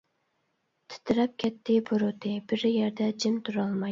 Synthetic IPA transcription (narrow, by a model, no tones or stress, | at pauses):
t̪ʰɨ̥t̪ʰɨɾɑp̚kʲʰɛt̪ʰːɪbuɾut̪ʰɪb̥ɪɾjɛɾd̪ɛd͡ʒɪmt̪ʰuɾɑlˠmɑ